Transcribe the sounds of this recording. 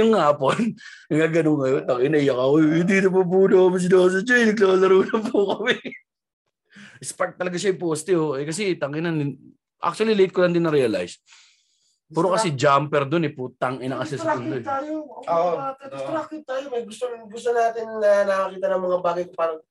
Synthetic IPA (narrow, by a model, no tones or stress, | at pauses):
jʊŋhaːpon | ɐɡaɡɐnoŋŋɐjont̪ɐŋʔɪnɐɪjɐkɐkoɪnd̪iːt̪opɐbuːnokɐmɪs̬ɪnos̬ɐɲɐɪnɐɡ̚lasɐɾuːnɐpukɐmɪ | ʔɪspɐt̪̚ːɐlɐɡaʃaɪpost̪ɪoɛkɐs̬ɛt̪ɐŋʔɪnɐnd̪ɪn | ʔa̰k̚t͡ʃuɐlilejt̪̚kolɐnd̪ɪnɐɾɛɐla̰js | pɛːɾokɐsɛd͡ʒampɛɾd̪onɛput̪ɐŋʔɪnɐŋɐsɛsɐnd̪oaːjooʔoakɪɾakɪt̪ːaːjomɐjɡʊst̪oɡʊst̪onaːt̪ɪnːɐnɐkɐkiːt̪ɐnɐŋmɐŋabaːɡɐjkopaːɾɐŋ